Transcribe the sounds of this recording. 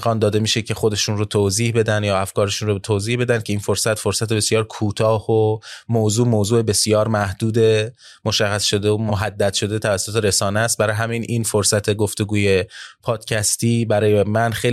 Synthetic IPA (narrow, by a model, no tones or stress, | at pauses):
ɡɒːnd̪ɒːd̪e̞miːʃecʰe̞xo̞d̪e̞ʃunrot̪ʰoziːhbe̞d̪ænd̪jɒːæfkɒːɾeʃunɾot̪ʰoːziːhbe̞d̪ænd̪̥̚cʰe̞iːnfo̞ɾsæt̪fo̞ɾsæt̪ebesjɒːɾkʰuːt̪ʰɒːhomoːzuːmoːzuːe̞be̞sijɒːɾmæhd̪uːd̪e̞ | moʃæχːæsʃo̞d̪eomoɦæd̪ːæd̪̥ʃo̞d̪e̞t̪ʰævæsːot̪ʰe̞ɾe̞sɒːnæst̪̚bæɾɒːjɦæmininfoɾsæt̪ʰe̞ɡoft̪e̞ɡuːje̞pʰɒːd̪̥cʰæst̪iːbæɾɒːjemænxej